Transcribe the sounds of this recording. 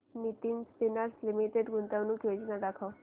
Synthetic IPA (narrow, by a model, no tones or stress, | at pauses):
nit̪iːnspinaɾslimiʈeɖɡʱunt̪aʋnũːkjod͡ʑnad̪akʰaw